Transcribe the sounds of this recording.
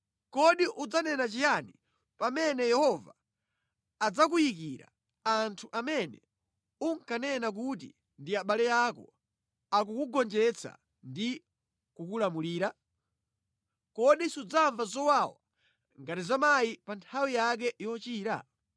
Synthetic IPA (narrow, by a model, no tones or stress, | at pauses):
kɔɗiʔud͡zanɛnat͡ʃijani | pamɛnɛjɛhɔva | ad͡zak̬ujikiɾa̰ | antʰuʔamɛnɛ̰ | uŋ̩kanɛnak̬ut̬ḭ | ndiaɓalɛjakɔ̰ | ak̬ukuɡɔnd͡ʒɛt͡sʰa̰ | ndi | kukulamuliːɾa | kɔɗisud͡zaɱvazɔwawa̰ | ŋɡatizamajipantʰawijak̬ɛʔiwɔt͡ʃiːɾa̰